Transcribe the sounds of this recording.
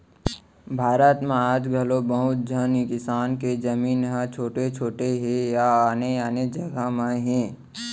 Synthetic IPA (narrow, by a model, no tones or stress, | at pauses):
bʱaːɾət̪mãaːd͡ʒɡʱɐlobəɦʊt̪̚d͡ʒʱənikɪsaːnked͡ʒəmiːnɦãt͡ʃʰoːʈet͡ʃʰoːʈeɦẽjaaːneaːned͡ʒɐɡamãɦɛ̃ː